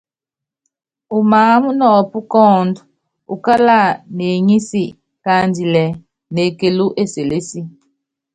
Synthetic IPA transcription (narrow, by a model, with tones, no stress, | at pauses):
u˨maː˨˦mu˦nɔ˨pu˦kɔː˦˨ndu˨ | u˨ka˦la˦˨ne˨ɲi˦si˦˨ | ka˦ndi˨lɛ˨ | ne˨ke˨lu˦ʔe˦se˨le˦si˦